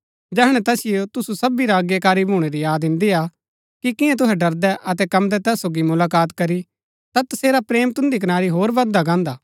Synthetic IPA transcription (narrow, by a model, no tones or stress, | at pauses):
d͡ʒɛːɦɽ̃ɛ̃t̪ɛːsɪjot̪ʊsusɐbiɾaːɡjekaːɾibʱɦuːɽ̃eɾijaːd̪ɪ̃nd̪ija | kikɪ̃jãt̪̬ʊɦɛɖɐɾd̪ɛʔɐt̪ɛkɐmd̪ɛt̪ɛːsːoːɡimʊlaːkaːt̪kɐɾi | t̪at̪ɐseːɾapɾeːmt̪ʊ̃nd̪ik̬ɐnaːɾiɦoːɾʋɐd̪aɡãːnd̪aː